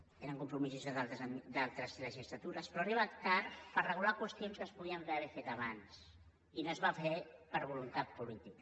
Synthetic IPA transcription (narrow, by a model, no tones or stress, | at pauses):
eɾəŋkumpɾumizuzððat̪d̪alˠt̪ɾəzləʒisɾat̪uɾəspɾɔariβakt̪aɾpəɾrəɣ̞ulakwəst̪jonskəspuð̞iəmaβefet̪aβans | inəzβafepəɾβulunt̪at̪̚pulit̪ikə